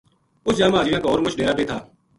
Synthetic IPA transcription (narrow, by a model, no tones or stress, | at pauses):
ʊsd͡ʒaːmaːd͡ʒiːjãːkaoːɾmʊt͡ʃʰɗeːɾaːpeːt̪ʰaː